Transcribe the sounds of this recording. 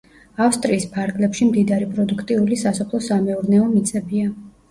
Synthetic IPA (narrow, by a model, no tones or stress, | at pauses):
afst̪ʼɾiːspʰaɾɡlɛpʃimd̪id̪aɾipʼɾɔd̪ukʰt̪ʼiulisasɔpʰlˠɔsamɛuɾnɛɔmit̪sʼɛbia